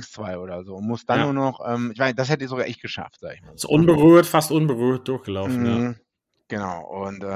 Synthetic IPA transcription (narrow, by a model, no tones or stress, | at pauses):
ŋst͡sv̥aɪʔoːdɐzoːnmʊst̚d̥anːuːɐnɔχʔɛmɪçv̥aɪsd̥as̬hɛtədiɐzoɡaːʔɛçt̚ɡ̥əʃa̰fta̰ːɡɪçmasʔʊnbəʁyːɐtfastʔʊnbəʁyːɐt̚d̥ʊɐçɡ̥əlaʊf̩ja | ɡ̥ənaʊʔʊntʔɛ